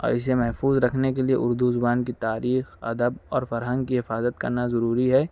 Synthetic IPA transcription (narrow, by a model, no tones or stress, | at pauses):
ɔ̰ːɾɪs̬emɛɦfuːzɾɐkʰnekeliḛʔʊɾd̪uzʊbaːnkit̪aːɾiːxɐ̰d̪əbɔːɾfɐɾɦə̃ŋɡ̚kiɦɪfaːzət̪̚kɐ̰ɾnazɐɾuːɾiɦɛː